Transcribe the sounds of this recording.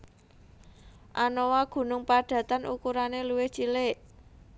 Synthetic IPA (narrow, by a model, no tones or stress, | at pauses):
ʔanowaɡ̥ṳnʊŋpaɖ̥ä̤t̪anʔukuɾaneluwɪht͡ʃilɪʔ